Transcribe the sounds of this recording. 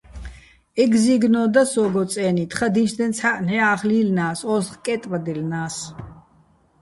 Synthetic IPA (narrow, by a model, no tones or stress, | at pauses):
ɛɡziɡnɔːd̪asɔːɡɔt͡sʼɛːnit̪ʰχad̪inʃd̪ɛnt͡sʰaʔnɛaːχliːlnaːsɔzχkʼɛt̪ʼvad̪ilnaːs